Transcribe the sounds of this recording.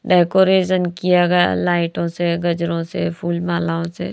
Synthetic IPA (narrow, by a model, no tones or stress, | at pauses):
ɖɛːkoːɾeːʃənkijaɡɐja̰laːɪʈõseɡɐd͡ʒɾõsepʰuːlmaːlaõsḛ